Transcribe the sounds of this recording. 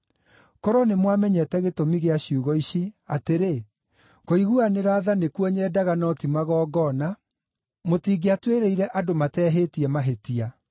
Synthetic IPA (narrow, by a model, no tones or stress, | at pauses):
kɔɾɔnemwamɛɲɛtɛɣetomiɣeaɕiuɣɔiɕiateɾe | koiɣuaneɾaːðanekwɔɲɛːdaɣanɔtimaɣɔːɡɔna | motiːɡeatweɾɛiɾɛʔadomatɛːɦetiɛmaɦetia